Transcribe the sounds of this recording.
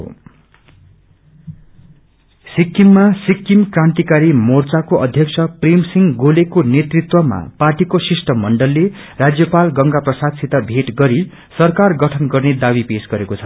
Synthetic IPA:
sikːimːasikːimkrãnt̪ikaɾimort͡sakoʔʌd̪ʱjʌksʰʌprimsiŋɡolekonet̪rit̪wʌma̰parʈikosisʈʌmʌɳɖʌlːe | rad͡zjʌpalɡʌŋɡaprʌsasʰit̪abʱeʈɡʌɾi | sʌrkarɡʌʈʰʌnɡʌrned̪abipesɡʌɾekot͡sʰʌ

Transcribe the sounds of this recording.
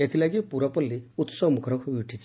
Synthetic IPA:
et̪ʰilaɡipuɾɔpɔlːiut̪sɔmukʰɔɾɔkʰobiʈʰit͡ʃʰi

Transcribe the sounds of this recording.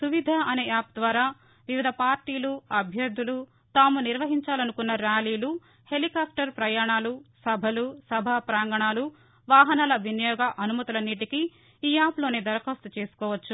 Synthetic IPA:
suʋid̪ʱaʔɐne̞ːaːp̚d̪ʋaːɾaː | ʋiʋid̪ʱɐpaːɾʈiːluɐbʱjɐɾd̪ʱːulu | t̪aːmuniɾʋɐɦiɲt͡ʃaːlɐnukunːɐɾaːliːlu | he̞likaːp̚ʈɐɾpɾɐjaːɳaːlusɐbʱɐlusɐbʱaːpɾaːŋɡɐɳaːlu | ʋaːɦɐnaːlɐʋinjɔːɡɐʔɐnumɐt̪ulɐnːiːʈiki | iːaːplo̞ːne̞ːd̪ɐɾkɐːst̪ut͡ʃe̞ːsu̥kɔːʋɐt͡ʃːu

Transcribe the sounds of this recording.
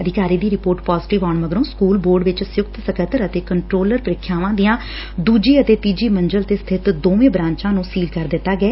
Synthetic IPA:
əd̪ɪkaːɾiːd̪iːɾɪpoːɾʈpaːzɪʈɪʋaːɳməɡɾõːskuːlboːɾɖʋɪt͡ʃsjʊkt̪səkʰət̪əɾət̪eːkəɳʈɾoːləɾpɾɪkʰːjaːʋãːd̪ɪjãː | d̪uːd͡ʒiːət̪eːt̪iːd͡ʒiːməɲd͡ʒəlt̪eːst̪ʰɪt̪d̪oːʋẽːbɾãːɲt͡ʃãːnũːsiːlkəɾd̪ɪt̪ːaːɡɛː

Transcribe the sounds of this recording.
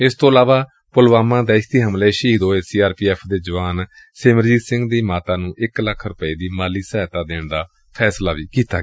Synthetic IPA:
ɪst̪õːəlaːʋaː | pʊlʋaːmãːd̪ɛːɪʃt̪iːɦəmleːʃiːd̪oːeːsiːaːɾpiːɛːpʰd̪eːd͡ʒəʋaːn | seːməɾd͡ʒiːsɪ̃ŋɡd̪iːmaːt̪aːnũːʔɪkləkʰɾʊpəiːd̪iːmaːliːsɛːt̪aːd̪eːɳd̪aː | pʰɛːslaːʋiːkiːt̪a̰ː

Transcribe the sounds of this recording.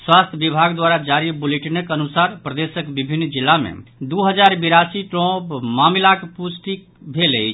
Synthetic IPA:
swast̪ʰəbibʱaɡd̪waɾad͡ʒaɾibuleʈnəkənusaɾpɾəd̪esəkbibʱinːd͡ʒilːamḛd̪uɦəd͡ʒaɾbiɾasiʈɾɔ̃pmamlakepusʈik̚ | bʱelɛjt͡ʃ

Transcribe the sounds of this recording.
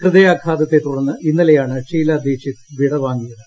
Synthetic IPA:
krɨðɐjaːkʰaːðɐt̪ːet̪ːuɽɐnːɨʔinːɐlɐjaːɳɨt͡ɕiːlɐːd̪ʱjeːɕit̪ʋiɽɐʋaːŋɡijɐðɨ

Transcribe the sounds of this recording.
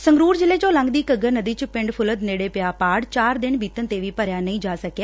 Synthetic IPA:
səŋɡɾuːɾd͡ʒɪleːt͡ʃõːlə̃ŋɡd̪iːkəɡəɾnəd̪iːt͡ʃpɪ̃ɳɖpʰʊləd̪neːɽeːpɪjaːpaːɽt͡ʃaːɾd̪ɪnbʱiːt̪ənt̪eːʋiːpəɾjaːnəĩːd͡ʒaːsəkjaː

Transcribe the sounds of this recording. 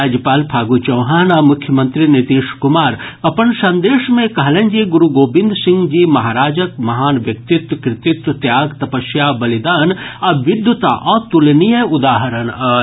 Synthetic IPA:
aːd͡ʒjəpaːlpʰaːɡut͡ʃɐ̃wɦaːnɐmʊkʰjəmə̃nt̪ɾinit̪iːʃkumaːɾɐpənsɐ̃nd̪eːʃmẽkɐɦlend͡ʒiɡuɾuɡoːbĩnd̪sɪ̃ŋɡd͡ʒimɐɦaːɾaːd͡ʒək̚mɐɦaːnʋjɐk̚t̪it̪kɾɪt̪it̪t̪jaːɡt̪ɐpəʃjabɐlid̪aːnɐʋɪd̪jut̪a̰ʔɔːt̪ulnijəud̪aːɦəɾənɐ

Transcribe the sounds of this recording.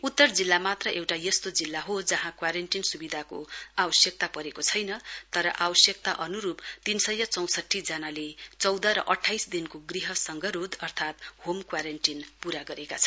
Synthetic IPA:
ut̪ːʌrd͡zilːamat̪rʌʔewʈajʌst̪od͡zilːaɦod͡zʌɦãkwaɾeɳʈinsubid̪ʱako̰abʌsjʌk̚t̪apʌɾekot͡sʰʌjnʌt̪ʌɾʌʔabʌsjʌk̚t̪aʔʌnuɾupt̪insʌjʌt͡sʌw̃sʌʈʰːid͡zanalet͡sʌwd̪ʌɾʌ̰ʔʌʈʰːajsd̪inkoɡriɦʌsʌŋɡʌɾud̪ʌrt̪ʰat̪homkwaɾenʈinpuɾaɡʌɾeka̰t͡sʰʌ

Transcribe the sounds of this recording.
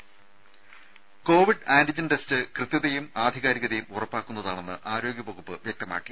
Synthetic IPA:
ko̞ːʋiɖaːnɖid͡ʑɐnʈestɨkrɨt̪ːjɐðɐjumaːd̪ʱiɣaːɾiɣɐðɐjumurɐpːaːkːunːɐðaːɳe̞nːɨ̰ʔaːɾo̞ːɡʲjɐpoɣupːɨʋjek̚t̪ɐma̰ːkːi

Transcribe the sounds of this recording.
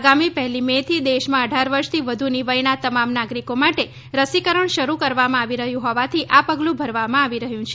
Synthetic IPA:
ɡamipɛɦlimet̪ʰid̪eʃmãəɖʱaɾʋəɾʃt̪ʰiʋəd̪ʱuniʋəjnat̪əmamnaɡɾikomaʈe | ɾəsikəɾəɳʃəɾukəɾʋamãaʋiɾəɦjũɦɔʋat̪ʰiʔapəɡlũbʱəɾʋamãaʋiɾəɦjũt͡ʃʰe

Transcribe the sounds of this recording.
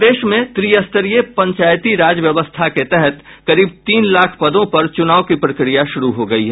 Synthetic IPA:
d̪eːʃmẽt̪ɾiːəst̪əɾijepɐ̃ɲt͡ʃaːjt̪iɾaːd͡ʒəʋjɐʋəst̪ʰaket̪ɛɦɛt̪ | kɐɾiːbt̪iːnlaːkʰpɐd̪õpɐɾt͡ʃʊnaːʋokipɾɐkɾijaʃʊɾuɦoɡɐiɦɛ

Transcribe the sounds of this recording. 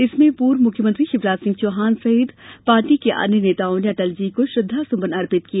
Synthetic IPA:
ɪsmẽpuːɾmʊkʰjəmə̃nt̪ɾiʃɪfɾaːt̪sɪ̃ŋɡt͡ʃoːɦaːnsɐɦɪd̪paːɾʈikeʔa̰ːnjəneːt̪aːõneɐt̪ɐld͡ʒiːkoʃɾʊd̪ʱːasʊ̃mbənɐɾpɪt̪kiaː

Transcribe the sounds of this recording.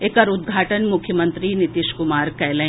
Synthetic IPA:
ekɐɾʊd̪̚ɡʱaːʈənmʊkʰjəmə̃nt̪ɾinɪt̪ɪʃkʊmaːɾkɛːlə

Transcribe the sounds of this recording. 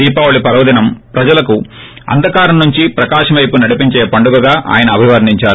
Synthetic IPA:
iːpaːʋɐɭipɐɾɐʋɐd̪inɐmpɾɐd͡ʒɐlɐku | ɐ̰nd̪ɐkaːɾɐmnuɲt͡ʃipɾɐkaːʂɐmʋɐjpunɐɽipiɲt͡ʃeːpɐɳɖuɡɐɡaːʔa̰ːjɐnɐːbʱiʋɐɾniɲt͡ʃaːɾu

